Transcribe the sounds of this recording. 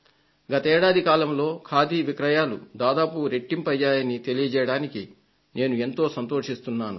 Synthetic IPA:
ɡɐt̪ɐɛːɽaːd̪ʱikaːlɐmlo̞ːkʰaːd̪iːʋikɾɐjaːlṵd̪aːd̪aːpuɾe̞ʈːimpɐjːaːjɐnit̪e̞lijɐd͡ʒɛːjɐɽaːniki | nʔe̞ːnue̞nt̪o̞ːsɐnt̪o̞ːʂist̪unːaːnu

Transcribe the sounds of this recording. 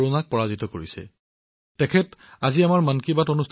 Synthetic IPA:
ɹonak̚pɔɹazitɔkoɹisɛ̰ | tɛkʰɛtaziamaɹmankibatonust

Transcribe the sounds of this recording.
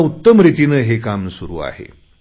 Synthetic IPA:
ut̪ːəmɾit̪iːnəɦekamsuɾṵːa̰hḛ

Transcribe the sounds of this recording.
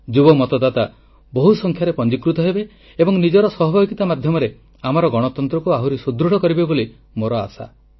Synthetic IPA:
d͡ʒubɔmɔt̪ɔd̪at̪a | bɔɦusɔŋkʰjaɾepɔnd͡ʒikɾut̪ɔɦebe | ebɔŋnid͡ʒɔɾɔsɔɦɔbʱajɔɡit̪amad̪ʱjɔmɔɾe | amaɾɔɡɔɽ̃ɔt̪ɔnt̪ɾɔkuaɦuɾisud̪ɾuɽ̤ɔkɔɾibeboli | moɾɔa̰sa̰

